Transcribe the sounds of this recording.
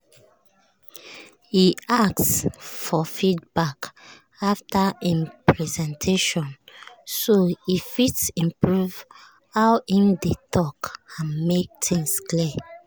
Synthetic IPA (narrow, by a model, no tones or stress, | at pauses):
hiak̚sfɔfidbak | aftaĩnpɹɛzɛ̃ntʰeʃɔ̃nsoifitsĩmpɹuv | hawĩmdetʰɔkãnmek̚tʰĩŋskli